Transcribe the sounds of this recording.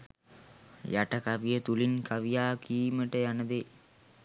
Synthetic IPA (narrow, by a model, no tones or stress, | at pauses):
jaʈəkaʋijət̪ulinkaʋijaːkʰiːməʈəjanəd̪e